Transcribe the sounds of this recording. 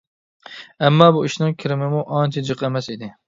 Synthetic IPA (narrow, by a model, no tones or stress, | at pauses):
ɛmːɑːbuiʃnɪŋkʲʰɪɾɪmɪmuʔɑnt͡ʃʰɛd͡ʒɨqʰɛmɛsid̪ɪ